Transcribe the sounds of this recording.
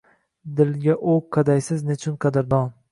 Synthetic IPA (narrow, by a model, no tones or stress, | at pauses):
d̪ɪlɡʲaʔoqʰːɑd̪ajsɪznet͡ʃʰʊnqʰɑd̪aɾd̪ɒn